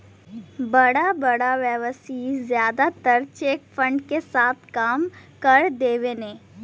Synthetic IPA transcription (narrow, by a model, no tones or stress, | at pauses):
bɐɽabɐɽaʋjɛʋəsizjaːd̪at̪əɾt͡ʃeːkfə̃ɳɖkesaːt̪ʰkaːmkɐɾd̪eːʋeneː